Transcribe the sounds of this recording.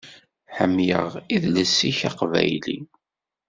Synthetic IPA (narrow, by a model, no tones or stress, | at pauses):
ħəmːjəʁiðləsːiçɑqvæ̰jlḭ